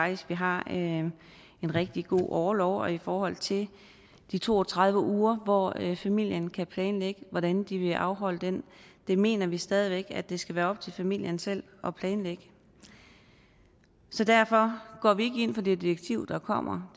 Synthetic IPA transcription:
ɑɡ̥d̥isɡ̥ʋiɦɑ̈ø | e̝nʁeɡ̥̚d̥iɡ̥o̝̰ːʔɒːlɒʊ̰ɒ̽ifɒːɦɒ̽l̰t͡sʰe̝l | d̥it͡sʰo̝̰ːɒt͡sʰʁɑ̈ð̞ˠʋəʔuːɐʋɒfæmil̰jənkʰæpʰlɛːnleɡ̥əʋɒɾ̥ænd̥iʋe̝ʔɑ̈ʊɦɒ̽l̰əd̥end̥e̝me̝̰ːnɐʋisd̥ɛːð̞ˠiʋeɡ̥æd̥e̝sɡ̥æʋæːɐɒ̽b̥̚t͡sʰe̝lfæmil̰jɐnsel̰ | ʔɒ̽pʰlɛːnleɡ̥ə̥ | sɒ̽d̥æɐ̰fɒ̽ɡ̥ɒ̰ːʋie̝ɡ̥əe̝n̰fɒ̽d̥ed̥ieɡ̥̚t͡sʰiʊ̰d̥ɑ̈kʰɒ̽m̰ɐ

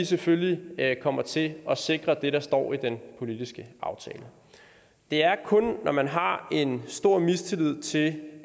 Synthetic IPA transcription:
iseføllikʰɒ̽m̰ɐt͡sʰe̝ɒ̽se̝ɡ̥ʁɐd̥e̝ɾɑ̈sd̥ɒ̰ːid̥enpʰo̝lidisɡ̥əɑ̈ʊt͡sʰɛ̰ːlə | d̥e̝æɐkʰɔ̽nːɒmænɦɑ̈e̝nsd̥o̝ɐ̰mist͡sʰe̝lið̞̰ˠt͡sʰe̝l

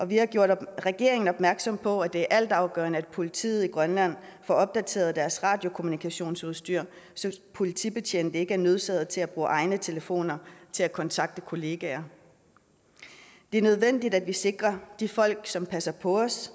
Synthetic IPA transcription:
ʔɒ̽ʋihɑ̈ɡ̥jo̝ɐ̰ɾ̥ʁɛɡ̥e̝ɐ̰eŋn̩ɒ̽b̥mæɐɡ̥sɒ̽mpʰɒ̽æd̥e̝æɐʔæl̰d̥ɑ̈ʊɡ̥œ̰ːɐnəæd̥̚pʰo̝lit͡sʰḭːð̩ˠiɡ̥ʁɶnlæn̰fɒɒ̽b̥̚d̥æt͡sʰe̝̰ːɐð̞̩ˠd̥æɐsʁɑ̈d̥jo̝kʰo̝munikʰæɕo̝̰ːnsuð̞ˠsd̥yɐ̰ | sɒ̽pʰo̝lit͡sʰḭb̥e̝t͡ɕʰḛnd̥əe̝ɡ̥əæɐnøð̞ˠsɛːð̩ˠt͡sʰe̝læb̥ʁuːʔɑ̈ɪnət͡sʰe̝ləfo̝̰ːnɐt͡sʰe̝lækʰɒ̽nt͡sʰɑ̈ɡ̥̚d̥əkʰo̝le̝ɡ̥æɐ | d̥e̝æɐnøð̞ˠʋen̰d̥idæd̥ʋise̝ɡ̥ʁɐd̥ifɒ̽l̰ɡ̥sɒ̽mpʰæsɐpʰɒ̽ɒs

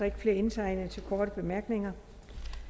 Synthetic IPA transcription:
ɐe̝ɡ̥əfle̝ɐe̝nt͡sʰɑ̈ɪnət͡sʰe̝lkʰɒːɾ̥əb̥e̝mæɐɡ̥ne̝ŋɐ

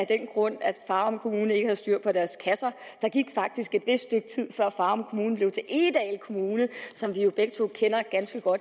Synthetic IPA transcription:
æd̥enɡ̥ʁɔ̽n̰æ̥fɑ̈ːɒ̽mkʰo̝muːnəe̝ɡ̥əhæð̩ˠsd̥yɐ̰̥pʰɒ̽d̥æɐskʰæsɐd̥ɑ̈ɡ̥iɡ̥fɑ̈ɡ̥̚d̥isɡ̥e̝d̥ʋe̝sd̥sd̥øɡ̥̚t͡sʰið̰ˠfɶɐ̰fɑ̈ːɒ̽mkʰo̝muːn̩b̥le̝ʊt͡sʰe̝lʔe̝d̥ɛːlkʰo̝muːnəsɒ̽mʋijo̝b̥eɡ̥̚t͡sʰo̝̰kʰen̰ɐɡ̥ænsɡ̥əɡ̥ɒ̽d̥

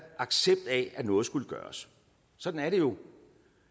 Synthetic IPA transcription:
ɑ̈ɡ̥seb̥̚d̥æænɔ̽ːð̩ˠsɡ̥uləɡ̥ɶ̰ːɐs | sɒ̽d̥n̩æɐɾe̝jo̝

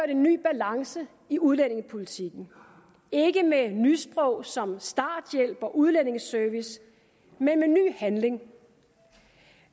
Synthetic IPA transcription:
øɐɾe̝nːy̰ːb̥ælɑ̈ŋsə | iuðˠlen̰e̝ŋəpʰo̝lit͡sʰiɡ̥n̩ | e̝ɡ̥əmenysb̥ʁɔ̽ʊ̰sɒ̽msd̥ɑ̰̈ːd̥jel̰b̥ɒ̽ʔuð̞ˠlen̰e̝ŋsœɐʋis | menmeny̰ːhænle̝ŋ

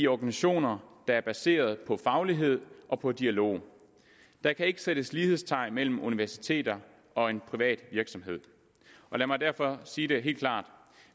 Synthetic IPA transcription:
iɒɡ̥ænsæɕo̝̰ːnɐd̥ɑ̈æɐb̥æse̝̰ːɐð̞ˠpʰɒ̽fɑ̈ʊliɦe̝ð̞̰ˠʔɒ̽pʰɒ̽d̥iælo̝̰ː | d̥ɑ̈kʰæe̝ɡ̥əsed̥əsliːhe̝ðˠst͡sʰɑ̈ɪ̰nmel̰m̩uniʋæɐsi̥t͡sʰe̝̰ːd̥ɐ | ɒ̽e̝npʰʁiʋɛ̰ːd̥ʋiɐɡ̥sɒ̽mɦe̝ð̞̰ˠ | ʔɒ̽læmɑdæɐ̰fɒ̽siːɾ̥e̝ɦe̝̰l̥kʰlɑ̰̈ːd̥

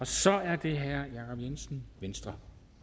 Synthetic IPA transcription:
ɒ̽sɒ̽æɐd̥e̝ɦæɐ̰jɑ̈kʰɒ̽b̥jensn̩ʋensd̥ʁɐ

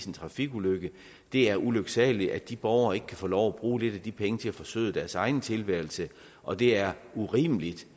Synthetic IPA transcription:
sn̩t͡sʰʁɑ̈fiɡ̥uløɡ̥ə | d̥e̝æɐʔuløɡ̥sɛ̰ːli̥æd̥ib̥ɒʊɐe̝ɡ̥ə̥kʰæfoːlɒʊæb̥ʁuːle̝ɾ̥æd̥ipʰeŋət͡sʰe̝æfɒ̽sø̰ð̰ˠd̥æɐsɑ̈ɪn̩t͡sʰe̝lʋæɐl̩sə | ʔɒ̽d̥e̝æɐuʁḭːmlid̥

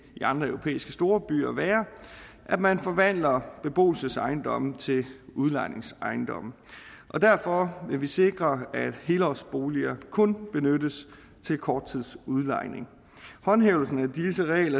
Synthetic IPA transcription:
iɑ̈nd̥ʁɐœʊo̝pʰḛːisɡ̥əsd̥o̝ːɐb̥y̰ːɐʋæːɐ | ʔæd̥mænfɒ̽ʋæn̰lɐb̥e̝b̥o̝̰ːl̩səsɑ̈ɪnd̥ɒ̽m̰̩t͡sʰe̝luð̞ˠlɑ̈ɪne̝ŋsɑ̈ɪnd̥ɒ̽m̰ | ʔɒ̽dæɐfɒ̽ʋe̝ʋise̝ɡ̥ʁɐæd̥he̝ːləɒsb̥o̝ːliɐkʰɔ̽nb̥e̝nødəs | t͡sʰe̝lkʰɒːd̥̚t͡sʰið̰ˠsuðˠlɑ̈ɪne̝ŋ | hɒ̽nɦeʊl̩sn̩æd̥isəʁɛ̰ːɪlɐ

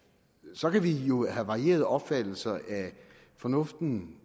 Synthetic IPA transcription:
sɒ̽kʰæʋijo̝hæʋɑ̈ie̝̰ːɐðˠɒ̽b̥fæd̥l̩sɐʔæ | fɒ̽nɔfd̥n̩

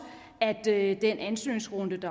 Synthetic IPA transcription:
æd̥d̥enʔænsø̰ːnsʁɔnd̥əd̥ɑ

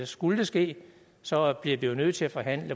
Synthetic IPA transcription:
sɡ̥uləd̥esɡ̥e̝̰ː | sɒ̽b̥liɐʋijo̝nøð̰ˠt͡sʰe̝læfɒ̽ɦæn̰lə

